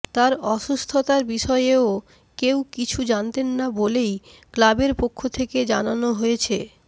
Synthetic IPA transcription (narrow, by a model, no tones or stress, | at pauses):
t̪aɾɔʃust̪ʰot̪aɾbiʃɔeeo | kewkit͡ɕʰud͡ʑant̪enːabolej | klabeɾpokʰːot̪ʰeked͡ʑananoɦojet͡ɕʰe